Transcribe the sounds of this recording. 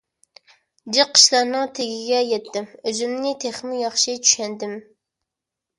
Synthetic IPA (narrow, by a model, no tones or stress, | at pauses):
d͡ʒiqʰːə̥ʃlˠɑɾnɨŋt̪ʰeɡʲɪɡʲɛjɛt̪ːɪmøzymnɪt̪ʰeχmɪjɑχʃɪt͡ʃʰy̥ʃɛnd̪ɪm